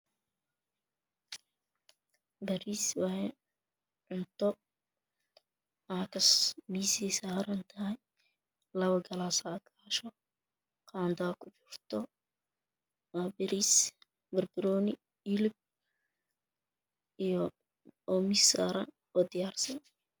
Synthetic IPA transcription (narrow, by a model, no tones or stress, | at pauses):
bɐɾiswɐhɛj | ʕʊnt̪ʰɔ | aːkʰɐsmiːsiːsaːɾɐnt̪ʰɐɦɛj | lɐβɐɡɐlaːsaːkʰaːʃɔ | qɑːnd̪akʰʊt͡ʃɪrt̪ʰɔ | waːbɪɾis | bɐrbɪɾɔːnɪ | ɪlɪb̚ | ijɔ | ɔmisaːɾɐn | ɔːd̪ɪjaːrsɐn